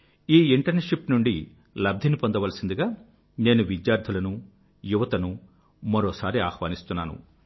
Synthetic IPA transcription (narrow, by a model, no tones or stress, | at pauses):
iːiɳʈɐɾneʂipnuɳɖi | lɐb̚d̪ʱinipond̪ɐʋɐlɐsind̪iɡaː | ne̞ːnuʋid̪jaːɾd̪ʰʱulɐnu | juʋɐt̪ɐnu | mɐɾɔːsaːɾiaːxʋaːnist̪unːa̰ːnṵ